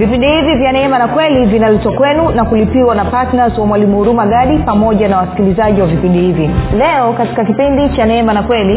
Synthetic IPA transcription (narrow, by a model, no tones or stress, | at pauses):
vipindihivivjanɛɛmanakwɛlivinalɛtwakwɛnunakulipiwanapatnazwamwalimuuɾumaɠaɗipamɔʄanawasi̥kilizaʄiwavipindihivilɛɔkati̥kakipindit͡ʃanɛɛmanakwɛli